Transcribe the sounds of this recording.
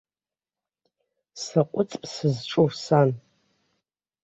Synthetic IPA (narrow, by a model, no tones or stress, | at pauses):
saqʷʼʊt͡sʼpʼsɨzʈ͡ʂʼorsan